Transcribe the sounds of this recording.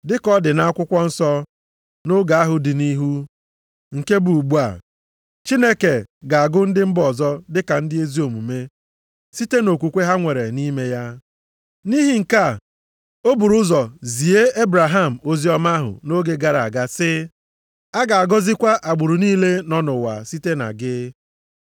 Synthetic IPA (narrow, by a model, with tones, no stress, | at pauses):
dɪ˦kɔ˦dɪ˨na˦a˦kʷʊ˦kʷɔ˦n̩˦sɔ˦ | no˦ɡa˨a˦ɦʊ˨dɪ˨ni˦ɦu˦ | ŋ̩˨ke˦bu˨ɡ͡bu˦a̰˨ | t͡ʃi˦ne˦ke˨ɡa˨a˨ɡʊ˦n̩˦dɪ˦m̩˦bɔ˨zɔ˦dɪ˦ka˨n̩˦dɪ˦e˦zi˦o˨mu˨me˦ | si˦te˦no˨kʷu˨kʷe˦ɦa˦ŋʷe˨ɾe˨ni˦me˦ja˦ | ni˦ɦi˨ŋ̩˨ka˦˨ | o˦bu˨ɾʊ˦zɔ˨zi˨e˦e˦bɾa˨ɦa˦˨m̩˨o˦zi˦ɔ˦ma˦ɦʊ̰˨no˦ɡe˦ɡa˨ɾa˨a˨ɡa˦sɪ˦ | a˦ɡa˨a˨ɡɔ˦zɪ˦kʷa˦ʔa˨ɡ͡bʊ˨ɾu˨niː˦le˦nɔ˦nʊ˨wa̰˨si˦te˦na̰˨ɡɪ˦